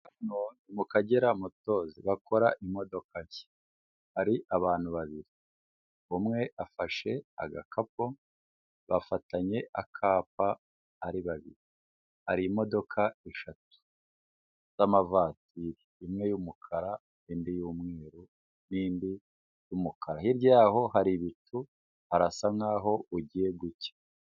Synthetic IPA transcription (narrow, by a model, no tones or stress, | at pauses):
anonimukaɟeɾamuto̞ːziβako̞ɾaʔimo̞do̞kae̥ | haɾiʔaβaːn̥huβaβiɾi | umŋe̞ʔafaʃe̞a̰ɡa̰kap̚o | βafataɲe̞ʔakʰaːp̚aː | ɾiβaβḭɾi | haɾimo̞do̞kʰaeʃatu̥ | z̥amavaːtiɾiːmŋe̞jumukʰaɾa | nindijuːmŋeːɾu | niːndi | jumukʰaɾahiɾɟaːɦo̞ɦaɾiβitu | haɾasaŋaːɦo̞uɟije̞ɡuce̥